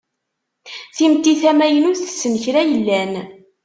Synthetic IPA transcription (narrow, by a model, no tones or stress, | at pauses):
θimt̪ːiθæmæjənuθə̥sːənəçɾæjəlːæn